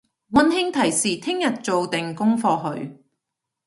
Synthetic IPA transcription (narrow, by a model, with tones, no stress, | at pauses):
wɐ˥nɦɪ˥ŋt̪ʰɐ˨˩jsiː˨t̪ʰɪ˥ŋjɐ˨t̚t͡so˨˧wt̪ɪ˨ŋkʊ˥ŋfɔː˧ɦɵ˨˧ɥ